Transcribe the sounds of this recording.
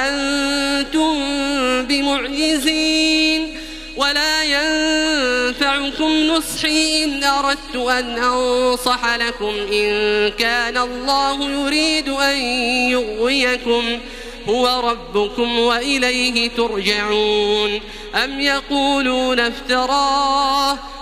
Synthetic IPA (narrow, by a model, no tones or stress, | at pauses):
ʔant̪ʊmbɪmʊʕd͡ʒɪziːn | walaːjann | faʕʊkʊmnʊsˤħiːʔɪnʔɑɾˤɑd̪̚t̪ʊʔanʔɑnnsˤɑħalakʊmʔɪnkaːnalˤːɑːhʊjʊɾiːd̪ʊʔanjʊɣwɪjakʊm | hʊwaɾˤɑbːʊkʊmwaʔɪlajɦɪt̪ʊɾˤd͡ʒaʕuːn | ʔamjɑquːluːnaft̪ɑɾˤɑːh